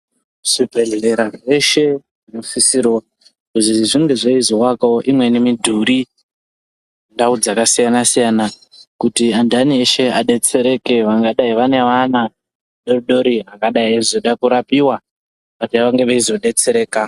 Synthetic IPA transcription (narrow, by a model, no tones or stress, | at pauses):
ʐ̥ibʱe̞ɮe̞ɾaʐeʃe̞ | ʐinofisiɾo | kuziʐiŋɡe̞ʐaizowakaoʔimwenimidʱuɾi | ndaud͡zakasijanasijana | kutiandanieʃe̞aɗe̞t͡se̞ɾe̞ke̞ʋaŋɡaɗaiʋane̞ʋana | ɗo̞riɗo̞ɾiakaɗaiazoɗakuɾapiwa | patiʋaŋɡeʋaizo̞ɗe̞t͡se̞ɾe̞ːka